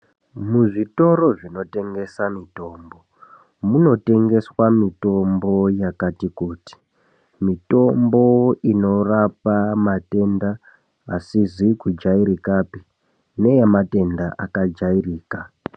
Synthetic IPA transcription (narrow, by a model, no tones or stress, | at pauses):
muʐito̞ɾo̞ʐino̞te̞ŋɡe̞samito̞ːmbo̞ | muno̞te̞ŋɡe̞swamito̞mbo̞jakatikuːti̥ | mito̞mbo̞ino̞rapamate̞ndaː | sizikud͡ʒaiɾikapi̥ | ne̞jemate̞ndaʔakad͡ʒairiːka